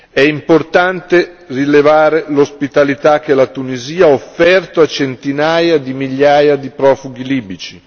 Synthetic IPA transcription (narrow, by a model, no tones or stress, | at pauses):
ɛimport̪ant̪e | rilevaːɾelospit̪alit̪ak̟ːelat̪uniziːaaofːɛrt̪oat͡ʃent̪inaːjad̪imiʎːaːjad̪ipɾɔːfuɡiliːbit͡ʃi